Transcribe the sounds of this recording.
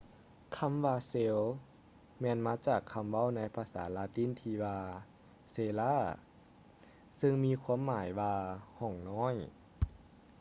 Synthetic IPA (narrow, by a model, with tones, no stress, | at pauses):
kʰa˧˥mʋaː˧seː˧˥l | mɛː˧˨nmaː˧˥t͡ɕaː˨˩kʰːa˧˥mʋa˧˥˨wna˧˥˨jpʰaː˧sa̰ː˨˩˦laː˧t̪i˧˥˨nt̪ʰiː˧ʋaː˧ | seː˧laː˧˥˨ | sɯ˧ŋmiː˧˨kʰu˧˥ə˨mːaː˩˦jwaː˧hɔ˧˩ŋnɔː˧˥˨j